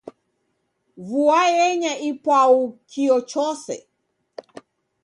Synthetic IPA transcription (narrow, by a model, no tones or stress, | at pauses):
vuajɛɲaʔipwaukʰiɔt͡ʃɔsɛ̰